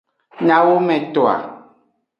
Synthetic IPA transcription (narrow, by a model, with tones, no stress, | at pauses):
ɲã˨wo˦mɛ̃˨t̪ɔ˨a̰˨